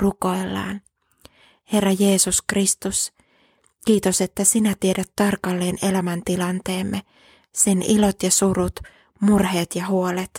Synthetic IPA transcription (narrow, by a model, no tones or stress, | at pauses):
ruko̞ilːɑ̰ːn | he̞rːɑje̞ːsuskrist̪us | kiːt̪o̞set̪ːæsinæt̪iedæt̪ːɑrkɑlːe̞ːne̞læmænt̪ilɑnt̪e̞ːmːe | senilo̞t̪jɑsuɾut̪ | murɦe̞ːt̪jɑɦuo̞let̪